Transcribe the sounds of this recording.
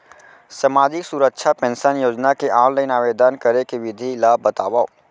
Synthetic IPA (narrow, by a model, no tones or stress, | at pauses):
səmaːd͡ʒɪksuɾəkʃʰapɛ̃nsənjoːd͡ʒnakeʔaːnlaɪnaːʋeːd̪ənkəɾekeʋɪd̪ʱilaːbət̪aːʋa